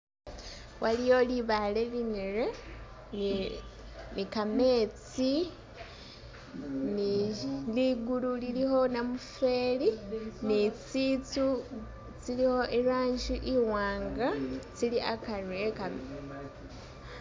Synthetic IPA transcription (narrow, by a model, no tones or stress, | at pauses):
walijo̞liβalelineɾe | nikame̞ːt͡si | niliɡululiliho̞namufe̞ːlinit͡siːt͡su | t͡siliho̞ʔeɾaːɲd͡ʒiʔiwaːŋɡat͡siliʔakaɾwekam